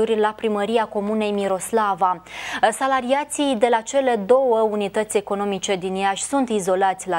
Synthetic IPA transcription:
urʲlapɾiməɾiako̞mune̞jmiɾo̞slavasalaɾiat̪sijd̪e̞lat͡ʃe̞le̞d̪o̞wəunit̪ət̪sʲe̞ko̞no̞mit͡ʃe̞d̪injaʃʲsunt̪izo̞lat̪sʲla

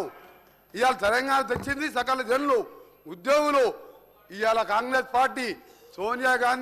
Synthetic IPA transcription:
u | ijaːlɐt̪ɐɾɐŋɡaːnɐt̪̬ɐt͡ʃːind̪isɐkɐlɐd͡ʒenlu | ud̪joːɡulo | ijaːlɐkaːŋɡɾeːspaːɾʈiː | soːnjaːɡaːn

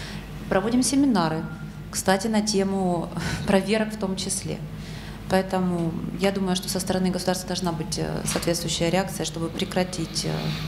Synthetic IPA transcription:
pɾɐvo̞dʲɪmsʲɪmʲɪnaɾɨ | kst̪atʲɪnɐtʲemʊpɾɐvʲe̞ɾəkft̪o̞mt͡ɕɪsʲlʲḛ | pɐɛt̪əmʊjad̪uməjʊʂt̪o̞səst̪əɾɐnɨɡəsʊd̪arst̪vəd̪ɐlˠʐnabɨtʲsɐːt̪vʲet̪st̪vʊjʏɕːɪjəɾʲɪak̚t̪sɨjəʂt̪o̞bɨpɾʲɪkɾɐtʲitʲ

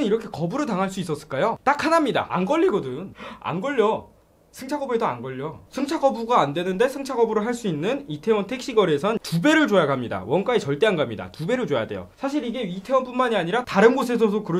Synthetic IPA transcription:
ɯniɾʌkʰe̞kʌbuɾɯɭtaŋɦaɭs͈uis͈ʌs͈ɯ̥ɭk͈ajot͈akʰanamɲida̰ʔa̰nɡʌʎːiɡodɯna̰nɡʌʎːʌ | sʰɯŋt͡ɕʰaɡʌbe̞doa̰nɡʌʎːosʰɯŋt͡ɕʰaɡʌbuɡaːndwe̞nɯnde̞sʰɯŋt͡ɕʰaɡʌbuɾɯɭɦaɭs͈uinːɯnitʰe̞wʌntʰe̞k̚ɕ͈iɡʌɾe̞sʰʌntube̞ɾɯɭt͡ɕojaɡamɲida̰wʌnk͈ait͡ɕʌɭt͈e̞anɡamɲida̰tube̞ɾɯɭt͡ɕojade̞̰jo̰sʰaɕʰiɾiɡe̞ɥitʰe̞wʌnp͈unmaɲiaɲiɾataɾɯnɡosʰe̞s̬ʰʌdokɯɾʌ

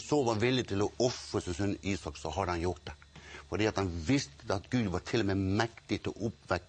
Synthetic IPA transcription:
soːʋɑʋɪld̪ɪt̪ʰɪlɔɔfɾəsɪnsœniːsɑksɔɦɑd̪hɑnjʊɾt̪̚d̪ɛfɔɖiːɑt̪hɑnʋɪst̪əɑt̪ɡʉːd̪ʋɑɾt̪ʰɪlːɔmeːmɛkt̪ɪt̪ʰɪlɔʔʊpʋɛk

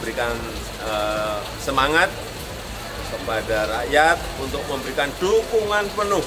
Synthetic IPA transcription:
bəɾikan | ə | səmaŋat̪̚ | kəpadaraʔjat̪̚unt̪ʊk̚məmbəɾikand̥ukuŋanpənʊh

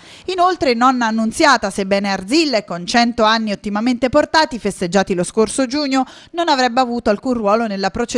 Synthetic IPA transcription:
inolt̪ɾenɔnːaːnːunt̪sjaːt̪asebːɛːneard̪zilːekːont͡ʃɛnt̪oanːiot̪ːimament̪eport̪aːt̪ifest̪ed͡ʒːaːt̪iloskorsod͡ʒuːɲːo | nonavɾɛbːeavuːt̪oalkunrwɔːlonelːapɾot͡ʃe

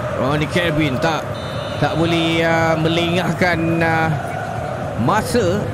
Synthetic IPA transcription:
onikɛbint̪aʔ | t̪aʔbolɛhəmə̃liŋahkan | mãsə

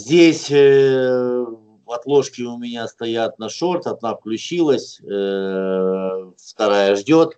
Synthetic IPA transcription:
zʲdʲesʲ | vɐt̪lˠo̞ʂkʲɪʊmʲɪnʲast̪ɐjat̪̚nɐʂo̞rt̪ɐd̪̚nafklʲʉt͡ɕilˠəsʲ | ft̪ɐɾajəʐdʲo̞t̪

